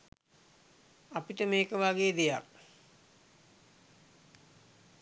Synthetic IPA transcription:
apiʈəmeːkəʋaɡeːd̪eja̰k

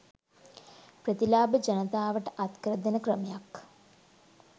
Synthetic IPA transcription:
prɐt̪ilaːbəd͡ʒɐnɐt̪aːʋəʈəʔɐt̪krəd̪ɐnəkrəmejak

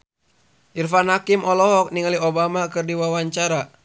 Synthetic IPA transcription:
ʔirfanhakimɔlɔɦɔk̚niŋaliɔbamakɨrdiwawaɲt͡ʃaɾa

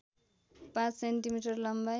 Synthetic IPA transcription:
pãt͡ssenʈimiʈʌrlʌmba

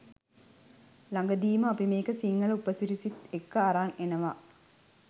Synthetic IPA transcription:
laŋɡəd̪iːməapimeːkəsiŋːɐlupəsiɾisit̪ekːəaɾaːnenəʋa

